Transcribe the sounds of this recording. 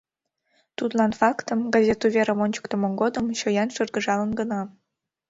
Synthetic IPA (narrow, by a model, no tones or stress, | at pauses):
t̪ut̪lˠɑnfɑkt̪ɤ̆mɡɑzʲet̪uvʲeɾəmonʲt͡ɕu̥kt̪ə̆mŏŋɡod̪ɤ̆mɕojɑnʃɤrɡə̆ʒɑlɤ̆nɡɤ̆nɑ